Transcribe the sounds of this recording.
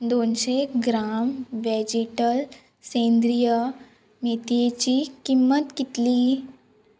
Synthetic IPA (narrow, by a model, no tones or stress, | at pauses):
d̪oːnʃeɡɾaːmʋed͡ʑiʈəl | sẽːnd̪ɾijə | mit̪iet͡ɕikimːət̪kit̪li